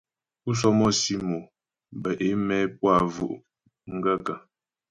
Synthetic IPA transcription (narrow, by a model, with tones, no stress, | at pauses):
u˦s̬ɔ˦mɔ˦˨si˦mo˨ | bə˨ʔe˨˦mɛ˦p̚wa˦˨vṵ˨ʔ | ŋ̩˦ɡə˦˨ka˨